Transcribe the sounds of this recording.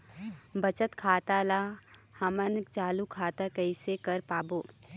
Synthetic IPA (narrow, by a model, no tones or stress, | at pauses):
bət͡ʃət̪kʰaːt̪ala | hɐmənkt͡ʃaːlukʰaːt̪akəɪsekɐɾpaːboː